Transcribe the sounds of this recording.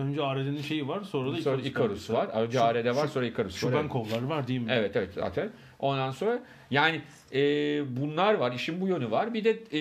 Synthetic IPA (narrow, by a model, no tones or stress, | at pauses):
ønd͡ʒɛaːɾed̪eninʃe̞jivaɾsoːɾad̪asoːɾaikʰaɾusvaɾaønd͡ʒɛaːɾed̪ɛvaɾso̞nɾaikʰaɾusoɾænkʰollˠaɾɯvaɾd̪ijimevɛt̪evɛt̪z̥a̰ːt̪ʰæn | o̞nd̪anso̞nɾa | jaːnɪ | ɛːbunlˠaɾvaɾiʃimbujønyvaɾbid̪ɛ